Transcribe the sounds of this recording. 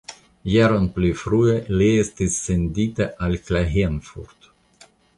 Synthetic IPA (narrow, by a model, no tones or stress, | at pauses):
jaɾonplifɾue̞lie̞stisːe̞nditaʔalklaɦenfṵɾd̥